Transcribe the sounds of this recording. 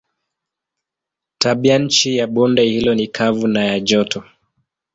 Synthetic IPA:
taɓiaɲ̩t͡ʃijaɓɔndɛhilɔnikʰavunajaʄɔtʰɔ

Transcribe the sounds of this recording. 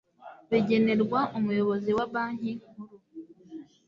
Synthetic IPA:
βiɟe̞ne̞ɾɡwaʔumujo̞βo̞ziwaβaːɲ̥iuɾu

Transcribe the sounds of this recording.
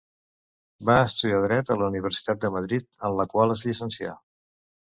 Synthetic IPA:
baəst̪uðiaðɾɛt̪ələuniβ̞əɾsi̥t̪at̪̚d̪əməð̞ɾit̪̚əmləkwalˠəzʎisənsia̰

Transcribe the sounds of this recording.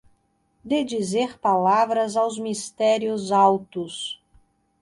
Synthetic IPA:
d̪ed͡ʒizeɾpalavɾɐzawzmist̪ɛɾiʊzawt̪ʊs

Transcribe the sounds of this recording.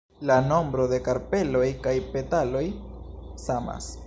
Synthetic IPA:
lano̞mbɾo̞de̞kaɾpe̞lo̞jkajpe̞talo̞j | sama̰s

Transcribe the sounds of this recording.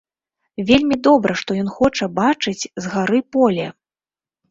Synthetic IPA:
vʲelʲmʲid̪ɔbɾʔɐʂt̪ɔjɔnxɔt͡ʂɐbat͡ʂɨt͡sʲzɣaɾɨpɔlʲɛ

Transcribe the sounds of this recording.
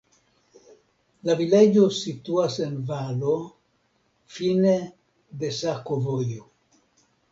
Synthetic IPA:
laviled͡ʒosit̪uasenvalo | fine | d̪esakovojo

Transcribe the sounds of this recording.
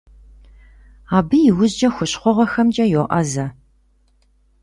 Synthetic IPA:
aːbɨjɪwʊzd͡ʒɐxʷʊɕχʷɔʁɐxɐmd͡ʒʼɐjoːʔɐzɐ

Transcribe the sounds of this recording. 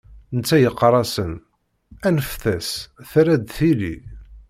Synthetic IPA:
nət͡sːæjəqːɾˤɑsən | ænəfθæsθɾæd̪θilḭ

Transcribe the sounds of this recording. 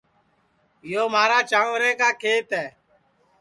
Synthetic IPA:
ɪjoːmaːɾaːt͡ʃaːʋɾɛ̃ːkaːkʰeːt̪ɛː

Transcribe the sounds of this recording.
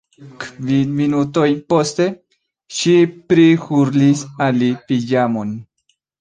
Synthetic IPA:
kvinminuto̞jpo̞st̪e̞ | ʃipɾixuɾlisalipid͡ʒamon

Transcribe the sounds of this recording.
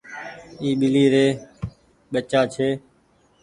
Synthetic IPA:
iːɓɪliːɾeː | ɓət͡ʃaːt͡ʃʰeː

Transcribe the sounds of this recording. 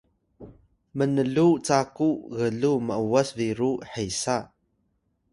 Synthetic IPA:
mənəɮut͡sakuɣəɮuməʔuwasviɾuħejsa

